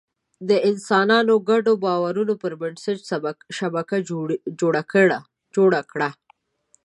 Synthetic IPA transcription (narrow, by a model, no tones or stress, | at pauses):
d̪əʔɪnsɑnɑnoɡaɖobɑwaɾunopəɾmɪnsəd͡ʒʃabakad͡ʒoɽakɽ | d͡ʒoɽakɽa